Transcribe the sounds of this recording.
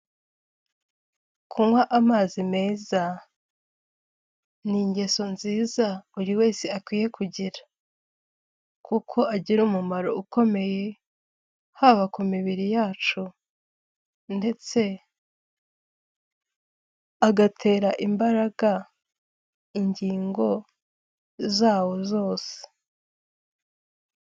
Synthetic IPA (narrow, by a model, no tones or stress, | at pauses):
kʰumwaʔamaːzime̞ːza | niɲɟe̞so̞nziːzauɾiwe̞ːseakwiːje̞kʰuɟiɾḁ | kʰukʰo̞ʔaɟiɾumumaɾo̞uko̞me̞je̞ | haβakumiβiɾijaːt͡ʃu | nde̞t͡se̞ | aɡatʰe̞ːɾaʔimbaɾaɡa | iɲɟiːŋɡo̞ | zaːwo̞zo̞ːse̥